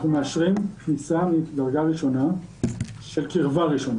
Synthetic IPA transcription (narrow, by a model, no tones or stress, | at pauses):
χnumeaʃʁimknisamidaʁɡaʁiʃo̞na | ʃelkiʁvaʁiʃon